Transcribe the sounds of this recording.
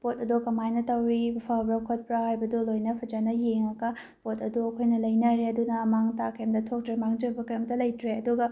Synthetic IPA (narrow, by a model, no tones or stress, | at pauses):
potɐdukɐmajnɐtɐwɾibɐpʰabɾɐkʰot̚pɾahajbɐdulojnɐpʰɐd͡ʒanɐjeŋɐɡɐ | potɐduɐkʰojnɐlɐjnɐɾeɐdunɐmaŋtakɐjmdɐtʰok̚tɾemaŋd͡ʒɐbɐkɐjmtɐlɐjtɾeɐduɡɐ